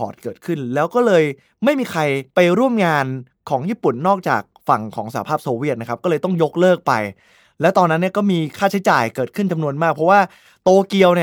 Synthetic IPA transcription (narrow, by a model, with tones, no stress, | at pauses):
ɔ̰ː˨˩t̪̚kɤː˨˩t̪̚kʰɯ˥˩nlɛː˦˥wkɔː˥˩lɤː˧j | ma˥˩jmiː˧kʰɾa˧jpa˧jɾu˥˩əmŋaː˧n | kʰɔː˩˦ŋjiː˥˩pu˨˩nːɔː˥˩k̚t͡ɕa̰ː˨˩k̚fa˨˩ŋkʰɔ̰ː˩˦ŋsaː˨˩a˦pʰaː˥˩p̚soː˧wi˥˩t̪̚na˥kʰa˦˥p̚kɔː˥˩lɤː˧jt̪ɔ˥˩ŋjo˦˥k̚lɤː˥˩k̚pa̰˧j | lɛː˦˥t̪ɔː˧nːa˦˥nːi˥˩ɐkɔː˥˩miː˧kʰaː˥˩t͡ɕʰa˦˥jt͡ɕaː˨˩jkɤː˨˩kʰɯ˥˩nt͡ɕa˧mnu˧ənmaː˥˩k̚pʰɾɔ˦˥waː˥˩ | t̪oː˧ki˧əwn˥˩